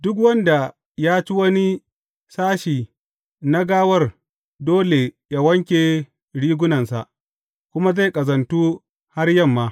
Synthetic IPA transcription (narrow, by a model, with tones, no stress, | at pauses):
dʊ˦k̬wɐ˦nda˨ | jaː˦t͡ʃi˦wɐ˦ni˦ | saː˦ʃiː˨ | na˦ɡaː˦wɐ˦r | doː˦le˨ja˦wɐ˦ŋkʲe˨ | ɽiː˦ɡʷʊ˦nɐ˨nsa̰˨ʔ | kʷʊ˦ma˦za˦˨jkʼɐ˨zɐ˨ntuː˦ | ha˦rjɐ˦˨mːaː˦